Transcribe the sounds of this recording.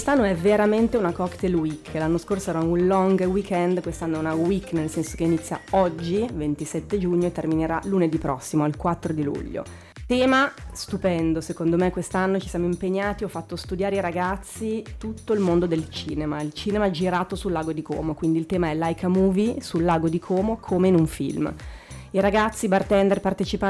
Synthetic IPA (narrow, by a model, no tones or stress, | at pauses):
wst̪anːoɛveɾament̪eunakɔkt̪elwikʰːlanːoskorsoɛːɾaunlɔŋɡwikʰɛnd̪kwest̪anːoɛunawikːnelsɛnso̥keinit̪sːja̰ɔd͡ʒːivent̪isɛt̪ːed͡ʒuɲːoet̪ːermineɾaluned̪ipɾɔsːimoalkwat̪ːɾod̪ilṵʎːo̰ | t̪ɛːmast̪upɛnd̪osekond̪omekːwest̪anːot͡ʃisjamoimpeɲːaːt̪iɔfːat̪ːost̪ud̪jaːɾeiɾaɡat̪sːit̪ut̪ːoilmond̪od̪elt͡ʃiːnemailt͡ʃiːnemad͡ʒiɾaːt̪osulːaːɡod̪ikʰɔ̰ːmokwind̪ilt̪ɛːmaɛlajkamuːvisulːaːɡod̪ikʰɔːmokʰomeinuɱfḭlmiɾaɡat̪sːibart̪ɛnd̪erpart̪et͡ʃipa